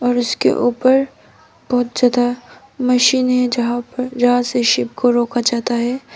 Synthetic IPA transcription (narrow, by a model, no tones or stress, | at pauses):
ɔːɾʊskḛʔuːpəɾ | b̥ɔɦʊt̪zjaːd̪a | mɐʃiːnɦɛd͡ʒɐɦãpɐd͡ʒɐɦãseʃɪp̚koɾoːkad͡ʒaːt̪aɦɛː